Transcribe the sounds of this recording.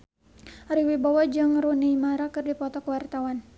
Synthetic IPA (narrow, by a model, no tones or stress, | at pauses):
aɾiwibawahd͡ʒɨŋɾuniimaɾakɨrdipɔt̪ɔkəwart̪awan